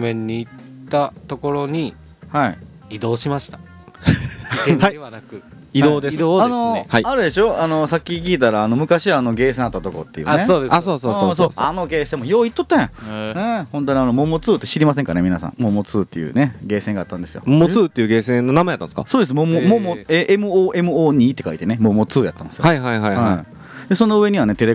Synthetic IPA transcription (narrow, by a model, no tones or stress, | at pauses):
mẽɲ̟ːiːt̪ːat̪oko̞ɾo̞ɲ̟i | hai | id̪o̞ːɕimaɕi̥t̪ḁ | aianakɯ̟ | id̪oːd̪eano̞haiaɾɯd̪e̞ɕo̞ano̞sakʲːik̬ʲiːt̪aɾaːno̞mɯ̟kaɕiβaːno̞ɡe̞ːs̬ẽat̪ːat̪o̞ko̰t̪ːe̞jɯ̰ːaeoːd̪easoːsoːoso̞ːano̞ɡe̞ːsẽmojoːit̪ːot̪ːãj̃ãnehõ̞nt̪̬oɲ̟ianomo̞mo̞t͡sɨːt̪ːeɕiɾʲimas̬ẽŋkane̞mʲinasã̰ŋmo̞mo̞t͡sɨːt̪ːe̞jɯ̰ːne̞ɡe̞ːsẽ̞ŋɡaːt̪ːãnd̪e̞sɨjo̰momot͡sɨːt̪ːejɯ̟ɡe̞ːsẽnːonamajat̪ːã̰sɨ̥ka̰soːd̪e̞s̬ɨmomomomoeʔemɯ̟oːʔe̞mɯ̟oːɲ̟iːt̪ːe̞kait̪e̞nemomo̞t͡sɨːja̰t̪ːãnd̪esɨjajɦaiɦajhaai | d̪eso̞no̞ɯ̟e̞ɲ̟iβane̞t̪e̞ɾe